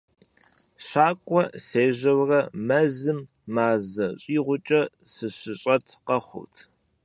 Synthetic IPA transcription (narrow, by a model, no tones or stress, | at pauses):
ɕaːkʷʼɔseːʒɐwrɐmɐzɨmː | aːzɐɕʼiːʁʷʊt͡ʃʼɐsɨɕɪɕʼɐtʰqɐχʷʊ̰tʰ